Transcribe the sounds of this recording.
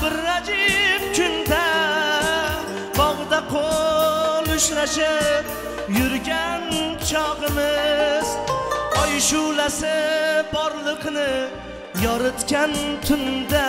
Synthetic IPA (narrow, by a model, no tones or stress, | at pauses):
bɪɾːad͡ʒɪfkʲʰʊnd̪a | bɒʁɨd̪aqʰo | lʊʃlaʃɪp | jʊɾɡʲant͡ʃʰɒʁɨmɪzɒjʃʊlasɪbɒɾlˠɨqnɪ | jɒɾɨt̪kʲant̪ʰʊnd̪a